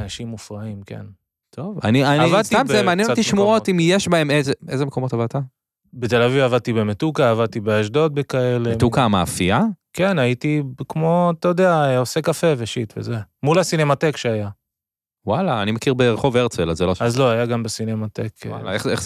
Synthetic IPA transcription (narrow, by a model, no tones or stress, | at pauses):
anaʃimufʁaimke̞̰n | t̪ʰova̰niavadst̪iambmaniat̪iʃmuotimjeʃbaemezeezemekomot̪avat̪a | bet̪elavivavad̪̚t̪ibe̞metukaːvad̚t̪ibeaʃdo̞t̪̚bekae̞lemet̪ukamaːfiake̞nait̪ikmo̞at̪ajod̪eaeo̞se̞kafe̞veʃit̪vḛze̞mulasine̞mate̞kʃeaja | walaːnimakiʁbeʁeχo̞veʁt͡selazeloʃazlo̞ajaɡambesinemat̪e̞kla̰eeχ